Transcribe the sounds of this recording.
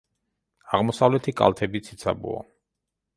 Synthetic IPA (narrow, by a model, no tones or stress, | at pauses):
aʁmɔsavlɛt̪ʰikʼa̰lˠt̪ʰɛbit̪sʰit̪sʰa̰bṵa̰